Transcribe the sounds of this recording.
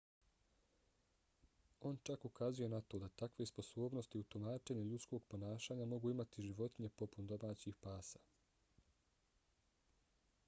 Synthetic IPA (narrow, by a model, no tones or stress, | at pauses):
o̞ːnt͡ʃakukazuje̞nat̪o̞ːd̪at̪akʋe̞spo̞so̞ːbno̞st̪iut̪umaːt͡ʃe̞ɲeʎut̪sko̞ɡpo̞naːʃaːɲamo̞ɡuːimat̪iʒiʋo̞t̪iɲe̞po̞pund̪o̞maːt͡ɕixpaːsa